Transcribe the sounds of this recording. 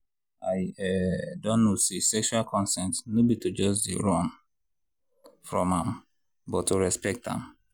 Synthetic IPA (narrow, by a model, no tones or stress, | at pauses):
aɪɛdɔ̃nːosesɛkʃualkʰɔ̃nsɛ̃ntnobitʰud͡ʒɔsdḭɹɔ̃n | fɹɔ̃mãm | bɔtoɹɛspɛk̚tã̰m